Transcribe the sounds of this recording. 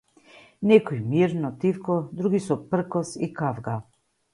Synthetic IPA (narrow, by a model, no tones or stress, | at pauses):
nɛkɔjmiɾnɔt̪ifkɔd̪ɾuɡisɔpr̩kɔsikavɡa